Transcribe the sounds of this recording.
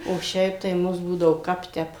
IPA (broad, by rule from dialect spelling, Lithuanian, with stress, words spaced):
oː ˈʃʲɛɪp tɐɪ ˈmʊs ˈbuːdɐʋoː ˈkɐp ˈtʲɛp